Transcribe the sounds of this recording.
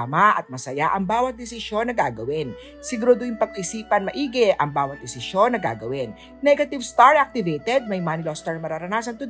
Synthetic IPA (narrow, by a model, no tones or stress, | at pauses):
maʔɐt̪̚mɐsɐjaʔɐŋbaːwɐt̪̚d̪ɛsɪʃo̞nːɐɡaːɡɐwɪn | sɪɡuɾod̪oɪŋpɐɡ̚ɪsiːpɐnmɐʔiːɡɛʔɐŋbaːwɐt̪̚d̪ɪsɪʃo̞nːɐɡa̰ːɡɐwɪn | nɛɡɐt̪ɪvst̪aɹʔak̚t̪ɪvejt̪ɛd̪̚mɐjmanɪlost̪ɛɹmɐɾaɾɐnaːsɐnt̪ʊ